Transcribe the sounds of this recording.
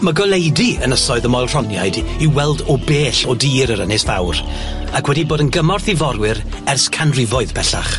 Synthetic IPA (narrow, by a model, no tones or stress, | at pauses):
maɡɔlˠejdiənəsɔɨðəmɔjlˠr̥ɔnjajdiwɛlˠdɔbeːɬɔdiːɾəɾənɪsfa̰wɾ | akʰwɛdiboːdənɡəmɔrθivɔɾwɪɾ | ɛrskʰanrɪvɔɨðpʰɛɬa̰χ